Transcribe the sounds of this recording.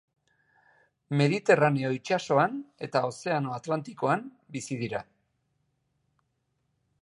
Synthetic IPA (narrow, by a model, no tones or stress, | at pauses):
me̞ðit̪e̞raneo̞it͡ʃaso̞ane̞t̪ao̞se̞ano̞at̪lant̪iko̞am | bisiðiɾa